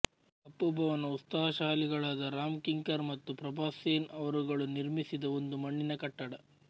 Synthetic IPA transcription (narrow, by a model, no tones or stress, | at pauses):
ɐpːubʱɐʋɐnɐut̪sɐɦɐʃaːliɡɐɭaːd̪ɐɾaːmkiŋkɐɾmɐt̪ːupɾɐbaːseːnɐʋɐɾuɡɐɭuniɾmisid̪ɐond̪umɐɳːinɐkɐʈːɐɽɐ